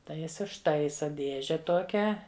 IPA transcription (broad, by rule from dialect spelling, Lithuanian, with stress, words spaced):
tɐɪ ˈjɪs ʊʃˈtɐɪsɐ ˈdʲeːʒʲɛ ˈtoːkʲæː